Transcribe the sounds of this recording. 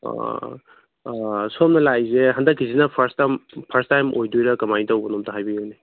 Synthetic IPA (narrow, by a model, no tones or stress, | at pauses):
sɔmnɐlajzeɦandɐkʰːizinɐpʰɐɾstampʰɐɾstajmʔojdujɾɐkɐmajtawbɐnɔmtɐɦajbione